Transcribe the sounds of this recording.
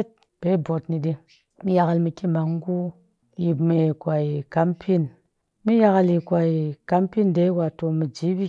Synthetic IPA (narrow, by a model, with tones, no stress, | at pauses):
t̚ | b̥e˨˦bo˨tni˧ɗi˧ | mi˦ja˧ka˧lmi˧ki˦ma˨ŋ˦ɡu˦ | ji˨pme˧˨kʷa˨i˨ka˨˦mpʰi˦˨n | mi˦ja˧ka˧li˨kʷa˨i˨ka˦mpi˦nde˦wa˨to˧mi˨d͡ʒi˨˦bi˦